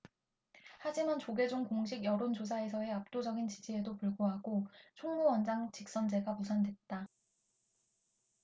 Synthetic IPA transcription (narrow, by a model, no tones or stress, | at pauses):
had͡ʑimant͡ɕoɡe̞d͡ʑoŋkoŋɕ̬ʰiɡjʌɾond͡ʑos̬ʰae̞s̬ʰʌe̞ap̚t͈od͡ʑʌɡint͡ɕid͡ʑie̞dopuɭɡoɦaɡot͡ɕʰoŋmuwʌnd͡ʑaŋt͡ɕik̚s͈ʌnd͡ʑe̞ɡamusʰandwe̞t̚t͈a